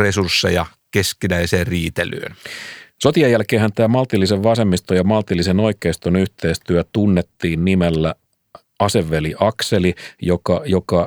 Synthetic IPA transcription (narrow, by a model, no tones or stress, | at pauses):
resursːejɑ | keskinæiseːrriːt̪ely̰ːnso̞t̪iɑjːælkeːɦænt̪æːmɑlt̪ilːiseʋʋɑse̞mːist̪ojɑmɑlt̪ilːiseno̞ike̞ist̪onyht̪e̞ːst̪yæt̪unːet̪ːiːnnimelːæ | ɑse̞ʋːeliʔɑkse̞lijokɑjokɑ